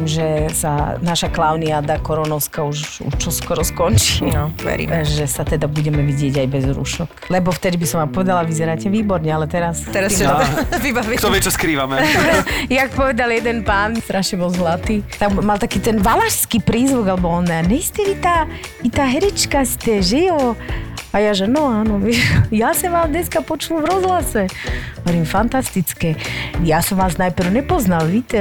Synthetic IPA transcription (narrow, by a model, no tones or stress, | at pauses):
mʒɛsa̰naʃaklaʊniaːd̪akɔɾɔnɔʊskauʃ | ṵʃt͡ʃɔskɔɾɔskɔnt͡ʃinɔʋɛ̰ɾḭːmʒɛsat̪ɛd̪abuɟɛmɛʋiɟɪɛɟajbɛzɾṵʃɔklɛbɔft̪ɛd̪ibisɔmapɔʋɛd̪alaʋizɛɾaːcɛʋiːbɔɾɲɛalɛt̪ɛɾast̪ɛɾasɛʋibaʋikt̪ɔʋɪɛt͡ʃɔskɾiːʋamɛ | jakpɔʋɛd̪aljɛd̪ɛnpaːnst̪ɾʔaʃɲɛbɔlˠzlat̪iːt̪ammalt̪akiːt̪ɛnʋalaʃskiːpɾiːzʋuɡalɛbɔɔnːɛɲɛist̪ɛit̪aːit̪aːɦɛɾɛt͡ʃkast̪ɛʒijɔ | ajaʒɛnɔaːnɔʋɛjasɔmʋaːmd̪ɲɛskapɔt͡ʃulvɾɔzlasɛɦɔʋɔɾimfant̪ast̪it͡skɛjasɔmʋaːznajpɾ̩ʊɲɛpɔznalʋiːt̪ɛ